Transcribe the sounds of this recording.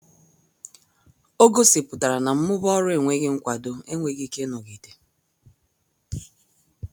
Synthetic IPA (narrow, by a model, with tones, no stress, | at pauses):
o˦ɡo˦si˨pʊ˨ta˨ɾa˨na˨m̩˦mʊ˦bɔ˦ɾʊ˦e˨ŋʷe˦ɣɪ˦ŋ̩˦kʷa˨do˦e˦ŋʷe˨ɣi˦ke˦no˨ɣi˨te̥˨